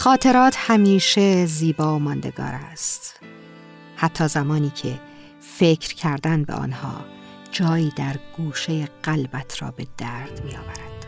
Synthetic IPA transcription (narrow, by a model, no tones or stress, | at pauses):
xɒːt̪ʰe̞ɾɒːt̪ʰhæmiːʃe̞ziːbɒːomɒːnd̪e̞̰ɡɒ̰ːɾæst̪ | hæt̪ʰːɒːzæmɒːniːcʰe̞ | fe̞cʰɾcʰæɾd̪ænbḛʔɒ̰ːnhɒ̰ː | d͡ʒɒːjiːd̪æɾɡ̥uːʃejeɢ̥ælbæt̪ʰɾɒ̰ːbe̞d̪æɾd̪̥miːjɒːvæɾæd̪̥